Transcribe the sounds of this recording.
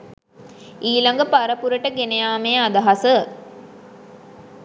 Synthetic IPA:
iːlaŋɡəpaɾəpuɾəʈəɡenejaːmejəad̪aɦasə

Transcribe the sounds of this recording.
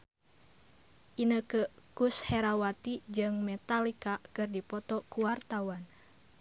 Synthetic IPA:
ʔinəkəkusheɾawat̪id͡ʒɨŋmɛt̪alikakɨrdipɔt̪ɔkuwart̪awan

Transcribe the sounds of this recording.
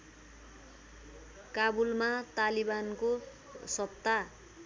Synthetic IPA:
kabulmat̪alibanko | sʌpt̪ːa

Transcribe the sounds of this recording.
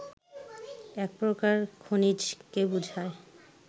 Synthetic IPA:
ɛk̚pɾokaɹkʰonid͡ʑkebud͡ʒʱae

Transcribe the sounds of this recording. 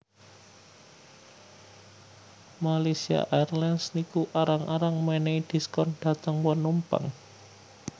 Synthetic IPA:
malesia̰ʔarlansnikuʔaɾaŋʔaɾaŋmeneid̪̥i̤skɔnɖ̥a̤t̪əŋwənumpa̰ŋ

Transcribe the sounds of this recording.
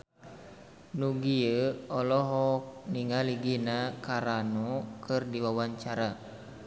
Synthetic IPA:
nuɡiəɔlɔɦɔk̚niŋaliɡinakaɾanɔkɨrdiwawaɲt͡ʃaɾa

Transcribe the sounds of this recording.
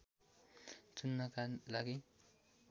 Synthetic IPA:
t͡sunːʌkalaɡi

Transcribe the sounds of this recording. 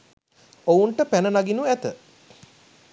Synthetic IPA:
ouɳʈəpænənaɡinuæt̪ə

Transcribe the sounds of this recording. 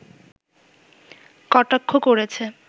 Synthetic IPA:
kɔʈakʰːokoɾet͡ɕʰe

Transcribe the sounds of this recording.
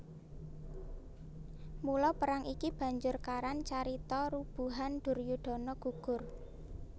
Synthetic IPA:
mulɔpəɾaŋikib̥ä̤ɲd͡ʒʊrkaɾant͡ʃaɾit̪ɔɾub̥ṳɦanɖ̪̥ʊ̤rjuɖ̪̥ɔ̤nɔɡ̥ṳɡ̥ʊr

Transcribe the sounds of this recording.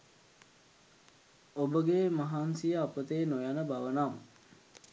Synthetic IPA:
obəɡeːmaɦansijəapət̪eːnojanəbaʋənam

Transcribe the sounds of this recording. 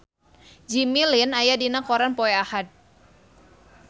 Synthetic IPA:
d͡ʒimilinajadinakɔɾanpɔɛahat̪̚

